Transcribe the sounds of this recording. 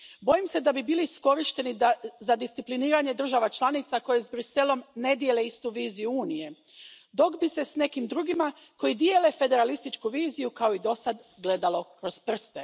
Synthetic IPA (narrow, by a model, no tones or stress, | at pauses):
bo̞jimse̞d̪abibiːlisko̞ɾiʃt̪e̞nizad̪ist̪ipliniːɾaɲe̞d̪r̩ʒaʋat͡ʃlˠanit̪sako̞jezbɾise̞lo̞mne̞d̪je̞leist̪uʋiːzijuuːnije̞ | d̪o̞kbise̞sne̞kimd̪ɾuːɡima | ko̞jid̪je̞le̞fe̞d̪e̞ɾalist̪it͡ʃkuʋiːzijukaoid̪o̞sad̪ɡle̞d̪alo̞kɾo̞zpr̩st̪e̞